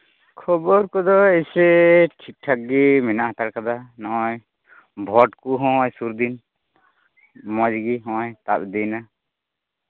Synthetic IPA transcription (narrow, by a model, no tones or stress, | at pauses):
kʰɔbɔɾkɔd̪ɔesɛʈʰik̚ʈʰak̚ɡimɛnaʔɦat̪aɽkad̪anɔʔɔj | bʱɔʈkuɦɔ̃jsuɾd̪in | mɔd͡ʒɡiɦɔ̃ʔjt̪ap̚d̪ina